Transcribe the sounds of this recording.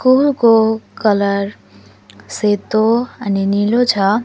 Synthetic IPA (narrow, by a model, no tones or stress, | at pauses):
skulkokələɾ | set̪oəninilot͡ʃʰʌ